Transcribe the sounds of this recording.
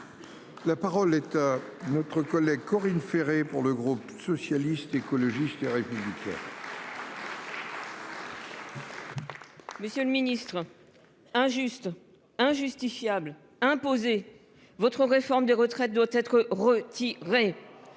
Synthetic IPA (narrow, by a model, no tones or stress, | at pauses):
lapaʁɔlɛt̪anɔt̪χəkɔlɛɡ̚kɔʁinfeʁepuʁləɡʁupsɔsjalist̪ekɔlɔʒist̪eʁepyblikʲɛ̰̃ | məsjøləminist̪χ | ɛ̃ʒyst̪ | ɛ̃ʒyst̪ifjabl | ɛ̃poze | vɔt̪χəʁefɔʁmd̪eʁət̪χɛt̪̚d̪wat̪ɛt̪χəʁət̪iʁe